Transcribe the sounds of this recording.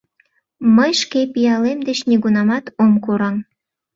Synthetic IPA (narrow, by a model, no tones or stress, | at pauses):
məjʃkepijɑlemd̪et͡ɕneɣunɑmɑt̪omkuɾɑm